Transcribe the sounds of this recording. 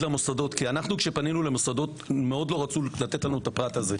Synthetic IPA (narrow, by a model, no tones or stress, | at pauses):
lamosado̞t̪kianaχnukʃe̞paninulemosad̪o̞t | me̞o̞d̪lo̞ʁat͡sulat̪et̪lanuet̪apʁat̪aze